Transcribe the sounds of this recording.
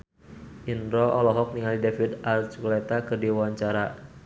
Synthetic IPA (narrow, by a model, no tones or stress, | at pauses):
ʔinɾɔɔlɔɦɔk̚niŋalidefidart͡ʃkɔlɛt̪akɨrdiwwaɲt͡ʃaɾa